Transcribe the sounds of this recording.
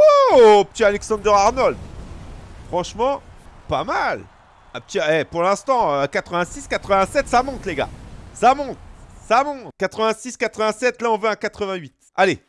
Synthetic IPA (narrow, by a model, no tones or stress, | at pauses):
opət̪ialɛksɑ̃d̪œʁaʁnɔld̪ | fχɑ̃ʃmɑ̃pamal | ãpə̥t̪iɛpuʁlɛ̃st̪ɑ̃økat̪χəvɛ̃siskat̪χəvɛ̃sɛt̪samɔ̃t̪leɡa̰samɔ̃t̪samɔ̃t̪kat̪χəvɛ̃siskat̪χəvɛ̃sɛt̪laɔ̃vøãkat̪χəvɛ̃ɥit̪ | ale